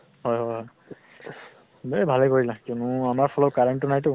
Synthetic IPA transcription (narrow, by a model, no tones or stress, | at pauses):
ɦɔjɦɔjɦɔj | bebʱalɛkoɹilãkjɔnʊamaɹpʰɔlɔkaɹantʊnajtʊ